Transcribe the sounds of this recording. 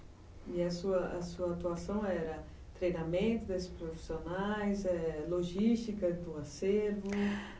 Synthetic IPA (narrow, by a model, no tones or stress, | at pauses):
iɐsuɐʔɐsuɐat̪uasɐ̃w̃ɛɾɐ | t̪ɾejnamẽnt̪ʊd̪esspɾofi̥sionajzɛloʒist̪ikɐd̪ʊaseɾvʊ